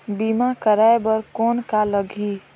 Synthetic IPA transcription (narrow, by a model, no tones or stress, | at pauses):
bimakəɾaebəɾkɔːnkaləɡʱi